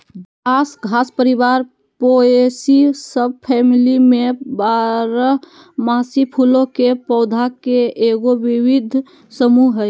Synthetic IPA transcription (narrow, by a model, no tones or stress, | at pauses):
ɡʱasɡʱaspəɾibaɾ | poesisəb̚pʰɛmilimẽbaɾə | masipʰulõkepɔʊd̪ʱakeːɡoʋiwid̪ʱ | səmuɦɛ